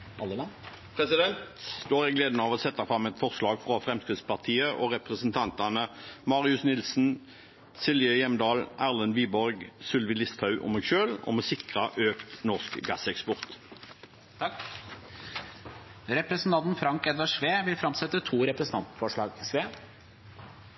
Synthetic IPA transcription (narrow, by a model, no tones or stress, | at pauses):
ɑlːəlɑn | pʰʁɛsɪd̪ɛnt̪std̪̥oːʁjæɡleːd̪nəɑːʋoːsɛt̪ːɑfʁɑmːɛt̪fɔʁslɑːɡfʁɑfʁɛmskʁɪd̪spɑʁt̪ʰiːəʔoʁɛpʁɛsənt̪ʰɑnt̪ɑnəmɑːʁɪʉsnɪlsn̩ | sɪlʋɪœjɛmd̪ɑːlʔæːʁlənʋiːbɔʁɡsʉlʋɪlɪst̪hɑʉʔɔ̰meːɡʃøːlɔ̰mɛsɪkʁɑʔøːkt̪nɔʁskɡɑsɛkspɔʁt̪ | ɾɛpɾəsn̩t̪ʰɑnt̪n̩fɾɑŋkɛd̪ʋɑʂʋeːʋɪlfɾɑmsɛt̪ːət̪ʰuːɾɛpɾəsn̩t̪ɑnt̪fɔʂɭɑːɡsʋeː